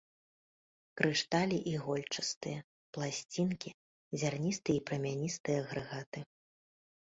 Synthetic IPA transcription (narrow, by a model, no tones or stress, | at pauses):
kɾɨʂt̪alʲiʔiɣɔlʲt͡ʂɐst̪ɨjɐ | plˠasʲt͡sʲinkʲi | zʲarnʲist̪ɨjɛipɾɐmʲanʲist̪ɨjɐɣɾɨɣat̪ɨ